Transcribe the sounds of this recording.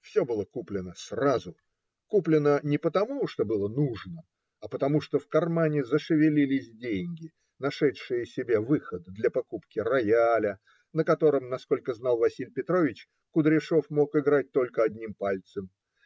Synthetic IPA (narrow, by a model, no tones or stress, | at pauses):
fsʲo̞bɨlˠəkuplʲɪnəsrazʊ | kuplʲɪnənʲɪpət̪ɐmuʂt̪o̞bɨlˠənuʐnə | ɐpət̪ɐmuʂt̪o̞fkɐrmanʲɪzəʂɨvʲɪlʲilʲɪsʲdʲenʲɡʲɪ | nɐʂɛt̪ʂɨjəsʲɪbʲe̞vɨxəd̪d̪lʲɐpɐkupkʲɪrɐjalʲə | nəkɐt̪o̞ɾəmnɐsko̞lʲkəznɑlˠvɐsʲilʲpʲɪt̪ɾo̞vʲɪt͡ɕ | kʊd̪ɾʲɪʂo̞fmo̞kɪɡɾat̚ʲt̪o̞lʲkəɐdʲnʲimpalʲt̪səm